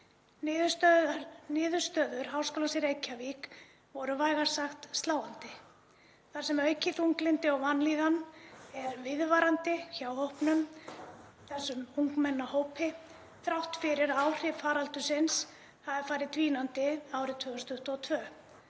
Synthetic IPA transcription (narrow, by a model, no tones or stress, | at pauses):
ntnɪːðʏɾ̥st̪œːðʏɾ̥ɦawskɔːlansɪɾejcʰavik | vɔɾʏvaːjɣaɾ̥saxt̪st̪laːwant̪ɪ | θaɾ̥sɛmœɥcɪθuŋklɪnt̪ɪɔwvanliːðanɛðaɾvɪðvaːɾant̪ɪçawhowhpnʏm | θɛsːʏmuŋkmɛnːahoːwpʰɪ | θɾawht̪fɪɾɪɾawr̥ɪfaːɾalt̪ʏsɪns | havɪɾfaːjɾɪðt̪viːnant̪ɪaːwɾɪt̪ʰvœːɣʏst̪ʏht̪ɔt̪ʰvœː